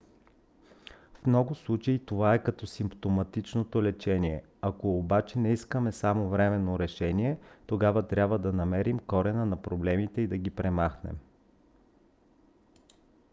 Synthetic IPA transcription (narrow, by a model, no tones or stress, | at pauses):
fmnɔɡʊslˠut͡ʃɐit̪ovaɛkɐt̪ɔsimpt̪omɐt̪it͡ʃnot̪olɛt͡ʃɛniɛ | ɐkoːbat͡ʃɛnɛiskəmɛsamovɾɛmɛnːoɾɛʃɛniɛt̪oɡabvət̪ɾʲjabvəd̪ɐnɐmɛɾimkɔɾɛnənɐpɾoblɛmit̪ɛid̪ɐɡipɾɛmaxnɛ̰m